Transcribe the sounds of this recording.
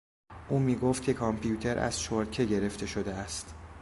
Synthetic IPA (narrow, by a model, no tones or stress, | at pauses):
ʔuːmiːɡoːft̪̚cʰe̞kʰɒmpʰijuːt̪ʰe̞ɾʔæ̰z̥ʃoɾcʰe̞ɟe̞ɾe̞ft̪ʰe̞ʃo̞d̪eæst̪